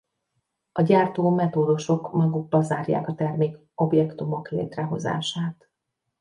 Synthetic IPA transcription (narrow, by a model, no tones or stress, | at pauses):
ɒɟaːrt̪oːmɛt̪oːd̪oʃo̞kmɒɡuɡ̚bɒzaːrja̰ːkɒt̪ɛrmeːk | o̞bjɛkt̪umo̞klḛːt̪rɛɦo̞za̰ːʃaːt̪